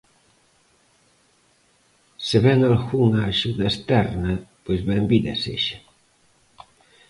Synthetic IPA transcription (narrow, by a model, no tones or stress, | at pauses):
seβɛŋalɣuŋaːʃuðɐest̪ɛɾnɐpojzβɛmbiðɐ̰sḛʃɐ̥